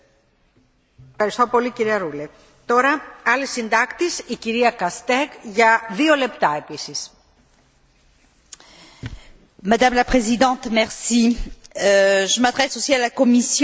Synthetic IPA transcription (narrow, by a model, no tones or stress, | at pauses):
fxɐɾist̪opo̞liciɾiɐɾule | t̪o̞ɾɐɐlisind̪ɐkt̪isiciɾiɐkɐst̪eɡʝɐðiole̞pt̪ɐe̞pisis | mad̪amlapχezid̪ɑ̃t̪mɛʁsi | ʒəmad̪ʁɛsosialakomisj